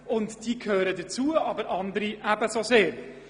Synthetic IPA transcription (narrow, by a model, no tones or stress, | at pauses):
ʊntd̥iːkʰhøːɾədət͡suːəʔɑbəɾɑndəɾiʔæbəsozeːɾ